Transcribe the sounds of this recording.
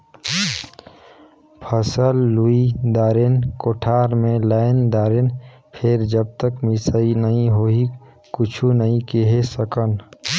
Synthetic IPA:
pʰəsəlːuid̪aːɾenkoːʈʰaːɾmẽlaːɪnd̪aːɾen | pʰɪɾd͡ʒəb̚t̪əkmɪsəinəɦĩɦoɦi | kʊt͡ʃʰunəɦĩkeɦesəkən

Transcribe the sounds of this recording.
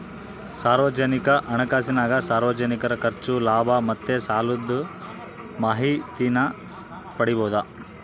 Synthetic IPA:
saːɾʋɐd͡ʒɐnikɐʔɐnɐkaːsinaːɡɐsaːɾʋɐd͡ʒɐnikɐɾɐkɐɾt͡ʃulaːbʱɐmɐt̪ːesaːlud̪u | maːɦit̪inɐ | pɐɽibɔːd̪ɐ

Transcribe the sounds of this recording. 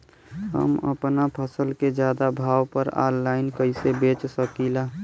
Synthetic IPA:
ɦə̰mə̰pnapʰəsəlked͡ʒjaːd̪abʱaːwpəɾa̰ːlːaːɪnkəɪsebeːt͡ʃsəkilaː

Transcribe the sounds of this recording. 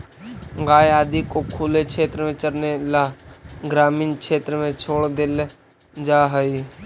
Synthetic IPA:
ɡaːjaːd̪ikokʰulekt͡ʃʰet̪ɾəmẽt͡ʃəɾnelaɡɾaːmiːnkʃʰet̪ɾəmẽt͡ʃʰoːɽd̪el | d͡ʒaɦəi

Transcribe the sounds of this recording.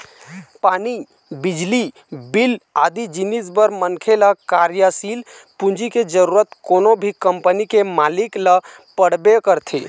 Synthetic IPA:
paːni | bɪd͡ʒli | bilaːd̪id͡ʒinisbəɾmənkʰelakaɾjasiːl | pũnd͡ʒiked͡ʒəɾuːɾət̪koːnobʱikəmpənikemaːliklə | pəɽ̤bekəɾt̪ʰḛ

